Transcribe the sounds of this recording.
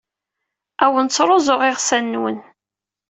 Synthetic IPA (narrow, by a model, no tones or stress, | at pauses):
æwənt͡sːɾˤozˤoʁɪʁsænːwə̰n